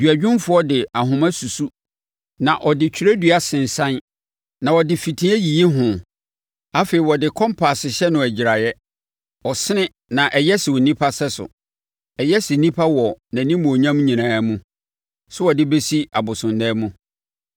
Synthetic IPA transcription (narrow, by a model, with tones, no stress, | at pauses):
dɥa˨d͡ʑᶣɪ̃˦nfʊ˦ɔ˦dɪ˨a˨ɦʊ̃˨mã˦su˨su˦ | nã˨ʔɔ˨dɪ˨t͡ɕʰᶣi˦ɾe˦dɥa˨sɪ̃˨n̩˨sã˦n | nã˨wɔ˨dɪ˨fi˨tʰĩ˦ɛ˦ji˨e˦ɦʊ̃˨ | a˦fe˨i˨wɔ˨dɪ˨kʰɔ̃˦mpʰa˨sɪ˨ɕɛ˦nʊ̃˨æ˨d͡ʑɪ˨ɾa˨jɛ˦ | ɔ˨sɪ˦nɪ̃˦ | nã˨ʔɛ˨jɛ˦sɪ˨wo˨nĩ˦pʰa˦sɛ˦sʊ̰˨ | ɛ˨jɛ˦sɪ˨nĩ˦pʰa˦wɔ˨næ̃˨nĩ˦mũ˨ɔ˨ɲã˦m˦ɲĩ˨nãː˨˦mũ˦ | sʊ˦wɔ˨dɪ˦be˦si˦a˨bʊ˨sʊ̃˨ndɛː˦mũ˦